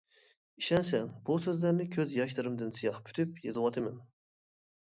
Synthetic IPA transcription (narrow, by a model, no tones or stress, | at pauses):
iʃɛnsɛŋb̥usøzlæɾnɪkʲʰøzjɑʃlˠɨɾɨmd̪ɨnsijɑχpʰy̥t̪ʰypjezɨwɑt̪ʰɨmɛn